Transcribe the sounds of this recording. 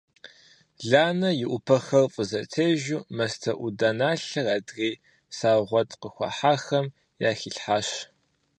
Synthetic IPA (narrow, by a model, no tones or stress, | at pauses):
ɮaːnɐjɪʔʷʊpʰɐxɐrfʼəzɐtʰeːʒuːmɐstʰɐʔʷudaːnaːɬɐraːdɣiː | saːʁʷɔtʰʼqəxʷɑ̰ħaːxɐm | jaːxiːɬħaːʃ